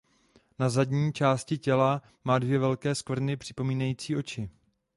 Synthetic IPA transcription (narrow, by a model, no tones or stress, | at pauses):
nazadɲiːt͡ʃaːscɪcɛla | maːdvjɛvɛlkɛːskvr̩nɪpr̝̥ɪpo̞miːnajiːt͡siːʔo̞t͡ʃɪ